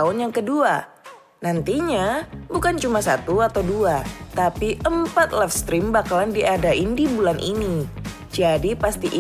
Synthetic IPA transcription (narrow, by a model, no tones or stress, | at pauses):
ʊnjaŋkədua | nant̪iɲabukant͡ʃumasat̪uat̪awduat̪apiʔəmpat̪̚lɛfst̪ɾimbakalandiʔadaɪndibulanʔini | d͡ʒadipast̪iʔ